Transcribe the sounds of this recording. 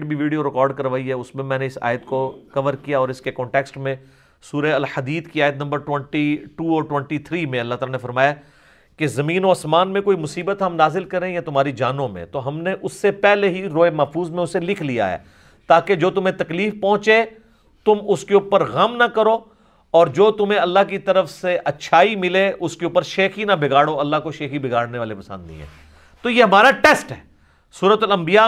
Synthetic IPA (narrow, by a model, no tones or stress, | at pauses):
ʈbʱiʋiːɖijoɾɪkɔːɾɖkɐɾʋaːiɦɛʊsmẽmɛ̃ːneɪsa̰ːjət̪kokɐʋəɾkijaɔːɾɪskekɔ̃ːɳʈeːksʈmẽ | suːɾeɐlhɐd̪iːd̪kiaːjət̪nɐ̃mbəɾʈwɛ̃ɳʈiʈuːɔːɾʈwɛ̃ɳʈit̪ʰɾiːmẽɐlːaɦt̪aːlanefɐɾmaːja | kezɐmĩːnoːɐsmaːnmẽkoːimʊsiːbət̪ɦɐmnaːzɪlkɐɾẽjat̪ʊmaːɾid͡ʒaːnõmḛ̃t̪oɦɐmneʔʊsːepɛɦleɦiɾoːemɐɦfuːzmẽʊselɪkʰlija̰ɦɛ̰ː | t̪aːked͡ʒoːt̪ʊmẽt̪ɐkliːfpɔ̃ːt͡ʃe | t̪ʊmʊskeuːpəɾɣɐmnakɐɾoː | ɔːɾd͡ʒoːt̪ʊmẽɐlːaɦk̬it̪ɐɾəfseʔɐtːʃʰaːimɪleʔʊskeuːpəɾʃeːxinabʱɪɡaːɽoɐlːaɦkoʃeːxibʱɪɡaːɽneʋaːlepɐsə̃nd̪nḭ̃ːɦɛ̰̃ː | t̪ojeɦɐmaːɾaʈɛːsʈɦɛː | suːɾət̪ɐlɐ̃mbija